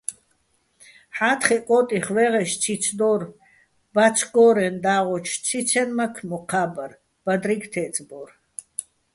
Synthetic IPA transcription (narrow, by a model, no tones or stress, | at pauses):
ħat̪χɛkʼɔt̪ʼiχvɛʁɛʃt͡sʰit͡sʰd̪ɔr | bat͡sʰɡɔɾɛnd̪aːʁɔt͡ʃʰt͡sʰit͡sʰɛnmakʰmɔqʰaːbar | b̥ad̪ɾiɡt̪ʰɛt͡sʼbɔr